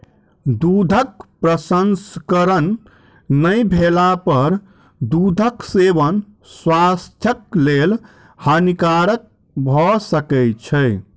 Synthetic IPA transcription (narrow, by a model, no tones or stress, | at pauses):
d̪ud̪ʱək̚pɾəsənskəɾənː | əjbʱelapəɾ | d̪ud̪ʱəksebən | swast̪ʰjəklel | hənikaɾək̚ | bʱɔsəkɛt͡ʃʰəj